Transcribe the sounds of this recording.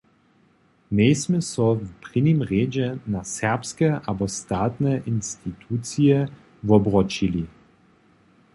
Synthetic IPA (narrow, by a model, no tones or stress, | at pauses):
neːsmɛsɔvpʁinimʁeːd͡ʒɛnasɛʁpskɛabɔst̪aːt̪nɛʔinst̪it̪ʰuːt͡sijɛ | vɔbʁɔt͡ʃili